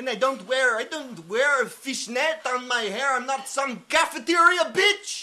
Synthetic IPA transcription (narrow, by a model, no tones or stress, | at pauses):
ɨ̃naɪdõʊ̃ntwɛɹaɪdõʊ̃nt̚wɛɹɨfɪʃnɛtn̩maɪhɛɹãɪ̃mnətsʌ̃mɡæfɨtɪɹiəbɪt͡ʃ